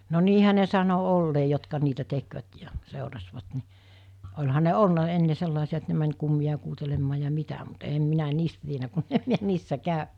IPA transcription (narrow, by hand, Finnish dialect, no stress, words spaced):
no niːhæ ne sɑno olːeː jotkɑ niːtæ tekʋæt jɑ seˑorɑsʋɑt ni olʲhɑ ne olnɑ enːe selːɑˑesiɑ et ne mænʲ kumːij̆ɑ kuːtelemːɑː jɑ mitæ mut eːm minæ niːstæ tienæ kunːem miæ niːsːæ kɑˑønæ̥